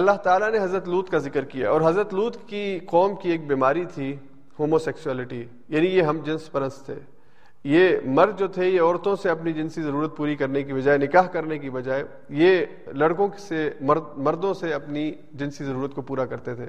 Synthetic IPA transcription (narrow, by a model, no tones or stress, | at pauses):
ɐlːaɦt̪aːlaneɦɐzɾət̪luːt̪ʰkazɪkəɾkija̰ɔːɾɦɐzɾət̪luːt̪kiqɔːmkieːk̚biːmaːɾit̪ʰi | hoːmosɛːkʃuɛːlɪʈi | jaːnijeɦɐmd͡ʒɪ̃nspɐɾə̃nst̪ʰḛː | jemɐɾd̪̚d͡ʒoːt̪ʰejeɔːɾt̪õseɐpnid͡ʒɪnsizɐɾuːɾət̪̚puːɾikɐɾnekibɐd͡ʒaːenɪkaːɦkɐɾnekibɐd͡ʒaːe | je | lɐɽkõksemɐɾd̪mɐɾd̪õseɐpni | d͡ʒɪ̃nsizɐɾuːɾət̪kopuːɾakɐɾt̪et̪ʰḛː